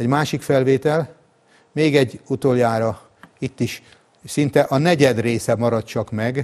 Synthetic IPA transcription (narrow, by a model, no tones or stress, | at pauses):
ɛɟmaːʃikfɛlveːt̪ɛl | meːɡɛɟːut̪oːljaːɾɒ | it̪ːiʃ | sint̪ɛʔɒnɛɟɛd̪reːsɛmɒɾɒt̪̚t͡ʃɒkmɛɡ